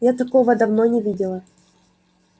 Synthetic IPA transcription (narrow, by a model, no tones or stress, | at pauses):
jat̪ɐkovəd̪ɐvnonʲɪvʲidʲɪlˠə